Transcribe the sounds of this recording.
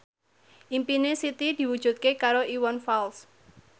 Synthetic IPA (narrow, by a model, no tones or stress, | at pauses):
ʔimpinesit̪id̪̥i̤wud̥ʒ̥ṳt̪̚kekaɾoʔiwɔnfals